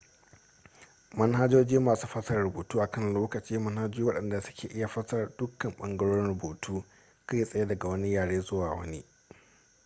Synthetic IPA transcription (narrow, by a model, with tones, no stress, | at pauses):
mɐ˦nɦa˦d͡ʒoː˦d͡ʒiː˦maː˨suː˦ɸɐ˦sɐ˦rɽʊ˨boː˨tuː˦ʔa˨kɐ˦˨nloː˦kɐ˨t͡ʃiː˦mɐ˦nha˦d͡ʒiː˦wɐ˦ɗɐ˨nda˨sʊ̥˦kʲeː˨ʔɪ˦ja˨ɸɐ˦sɐ˦rdʊ˦kːɐ˨mɓɐ̰˦ŋɡɐ˦ɽoː˦ɾɪ˦nɽʊ˨boː˨tʰuː˦ | ka˦ji˦sʼɐ˦je˦dɐ˨ɡa˨wɐ˦ni˦jaː˨ɽeː˦zʊ˦waː˨wɐ̰˦ni˦